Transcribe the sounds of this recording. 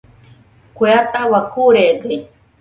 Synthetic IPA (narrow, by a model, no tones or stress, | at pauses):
kʷeat̪awakuɾed̪e